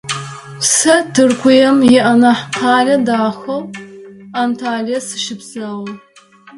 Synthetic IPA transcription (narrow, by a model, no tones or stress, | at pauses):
sɐtʰɨrkʷʰʊjɛmjɛʔɐnɐħqʰɑːɮɐdaːxɐw | aːmtʰaːɮɐsɨ̥ʃɪpsɐw